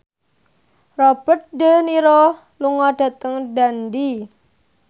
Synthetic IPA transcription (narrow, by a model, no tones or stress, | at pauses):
rɔb̥ə̤t̪̚dəniɾɔ | luŋɔɖ̥a̤t̪əŋɖandi